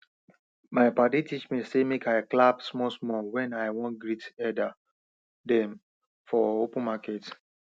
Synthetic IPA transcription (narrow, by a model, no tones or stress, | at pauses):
maɪpaditit͡ʃmisemekaɪklapsmɔsmɔwɛ̃naɪwɔ̃nɡɹitɛda | dɛ̃m | fɔopə̃nmakɛt